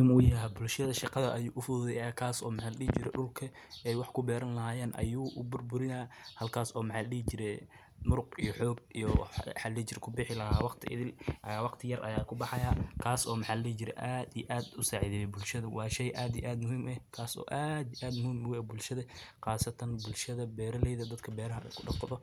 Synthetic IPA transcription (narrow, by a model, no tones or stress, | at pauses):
imʊjɐɦbʊlʃɐðɐʃɑqɑðɐʔɐjuːʔʊfʊððɛjaːkʰaːsɔːmɑħaːlɗiːt͡ʃɪɾɛ̰ɖʊlkʰɐɛjwɑħkʰʊbɛːɾɐnlɐɦaːjɛːnʔɐ̰juːʔʊbʊrbʊɾɪnaːhɐlkʰaːsɔːmɪħaːlɐɗiːt͡ʃɪɾɛj | mʊɾʊqijɔħɔːɡ̚ijɔħalɛːt͡ʃɪɾkʰʊbɪħɪlɐɦaːwɑqt̪ʰɪʔɪ̰ðɪlʔːwɑqt̪ʰɪjɐrʔɐ̰jaːkʰʊbɑħɑjaːkʰaːsɔːmɑħaːllɛt͡ʃɪɾɛ̰ʔaːd̪ḭjʔaːd̪ʊsaːʕɪðɛːjɛbʊlʃɐðɐwɑːʃɛjʔaːd̪ijʔaːd̪mʊhiːmʔɛkʰaːsɔ̰ːʔaːd̪ʔaːd̪mʊhiːmʊwɛbʊlʃɐðɐqɑːsɐt̪ʰɐnbʊlʃɐðɐbɛːɾɐlɛjðɐd̪ɐd̪kʰɐbɛːɾɐɦɐʔɛ̰kʰʊɖɑqt̪ʰɐðɔ